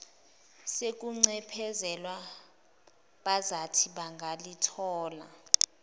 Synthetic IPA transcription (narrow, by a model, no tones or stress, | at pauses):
sek̬ʼuŋ͡ǀɛpʰɛzɛlwa | ɓazatʰiɓaŋɡʱalitʰɔːla̰